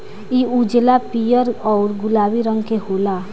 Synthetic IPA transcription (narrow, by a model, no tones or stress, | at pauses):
iud͡ʒlapijəɾɔːɾɡʊlaːwiɾə̃ŋɡkeɦoːla